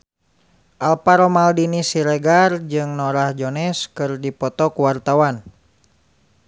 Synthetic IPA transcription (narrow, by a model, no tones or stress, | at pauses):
ʔalpaɾɔmaldinisiɾɛɡard͡ʒɨŋnɔɾahd͡ʒɔnɛskɨrdipɔt̪ɔkuwart̪awan